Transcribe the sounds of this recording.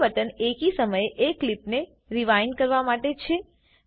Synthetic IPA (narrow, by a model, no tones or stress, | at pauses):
ʋət̪ənekisəməjeʔeklipne | ɾiʋajnkəɾʋamaʈet͡ʃʰe